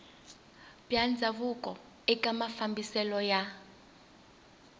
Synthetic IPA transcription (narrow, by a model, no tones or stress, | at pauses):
b̥jand͡zʱaβukʼɔ | ɛkʼamafambʱisɛlɔja